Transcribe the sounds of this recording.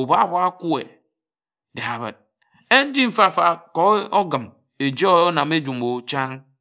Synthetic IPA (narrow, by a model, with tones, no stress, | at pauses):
u˨ba˦˨ba˦a˦ku˦ḛ˨ | de˨a˨βə̰˨t̚ | e˦n̩˦d͡ʒi˦m̩˨fa˦˨fa˨kɔ˨˦o˦ɡɨ˨m | e˨d͡ʒe˦o˦o˦na˨me˦d͡ʒu˨mo˨t͡ʃa˦ŋ